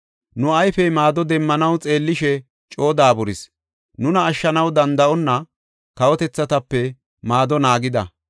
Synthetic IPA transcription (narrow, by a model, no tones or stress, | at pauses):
nʊɐjfɛmaːd̪ɔd̪ɛmːɐnɐwt͡sʼe̞ːlːɪʃɛ | t͡ʃʼo̞ːd̪aːbʊɾɪs | nʊnɐːʃːɐnɐwd̪ɐnd̪ɐʔɔnːɐ | kɐwɔt̪ɛt͡sːɐt̪ɐpːɛ | maːd̪ɔnaːɡɪd̪ɐ̰